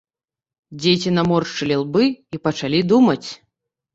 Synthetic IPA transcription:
d͡zʲet͡sʲinamɔrt͡ʂɨlʲilˠbɨipɐt͡ʂalʲid̪umɐt͡sʲ

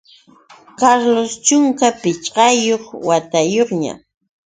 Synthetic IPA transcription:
kaɾlost͡ʃʊŋkapɪt͡ʃɢɑjoχwat̪ajoχɲa̰

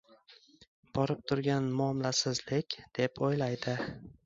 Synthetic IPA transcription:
b̥ɒɾɪp̚t̪ʰʊɾɡʲanmʊɒmlasɪzlɪkʲd̪̥e̞pʰojlajd̪ɪ

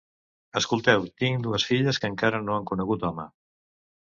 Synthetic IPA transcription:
əskulˠt̪ɛwt̪iŋd̪uəsfiʎəskəŋkaɾənoaŋkunəɣut̪ɔmə̰

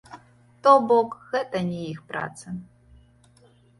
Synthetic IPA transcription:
tobokxɛtʼɐnʲijixpra̰ːt͡sʰɐ

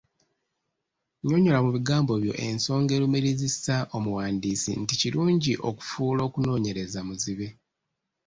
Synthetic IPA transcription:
ɲo̞ɲo̞lamuβiɡaːmbo̞βjo̞̰ʔe̞̰nso̞ːŋɡe̞lumeɾizisaʔo̞muwaːndiːsḭnticiluːɲɟiʔo̞ku̥fuːlo̞ːkuno̞ːɲe̞ɾe̞zamuziβe̞

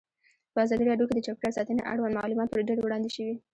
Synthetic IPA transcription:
pəazɑd̪iɾɑɖjoked̪ət͡ʃɑk̚ʈaɾsɑt̪ənḛʔa̰ɽwand̪ma̰lumɑt̪̚pəɾɖalewɽɑnd̪ɪʃəwi

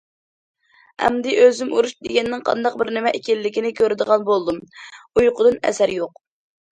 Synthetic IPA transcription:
ɛ̰md̪ɪʔøzymuɾuʃd̪eɡʲɛnːɪŋqʰɑ̰nd̪ɑq̚bɪɾnɪmɛʔekʲɛlːɪkʲinɪkʲʰøɾɪd̪əʁɑnbolˠd̪umujqʰʊd̪ɨnɛ̰sæɾjoq̚

